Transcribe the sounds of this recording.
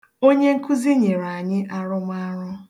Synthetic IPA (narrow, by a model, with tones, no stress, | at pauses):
o˦ɲe˦ŋ̩˦ku˦zi˦ɲe˨ɾa˨a˨ɲɪ˦ʔa˦ɾʊ˦ma˦ɾʊ˦